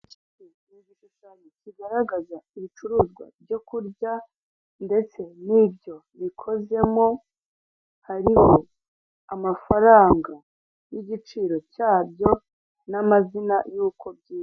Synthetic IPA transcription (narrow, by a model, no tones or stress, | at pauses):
i | i | iɡiʃuʃaɲeciɡaɾaɡazaiβit͡ʃuɾuːzɡwa̰bɟo̞kuɾɟa | nde̞t͡se̞nibɟo̞βikʰo̞ze̞mo̞ | haɾiho̞ | amafaɾaːŋɡa | jiɟit͡ʃiːɾo̞caːbjo̞ | namazina̰juːkʰo̞bɟiː